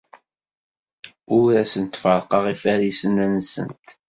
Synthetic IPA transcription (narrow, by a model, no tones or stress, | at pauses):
ʊɾæsənt̪ːfəɾˤqɑʁifæɾisənænsə̰nt̪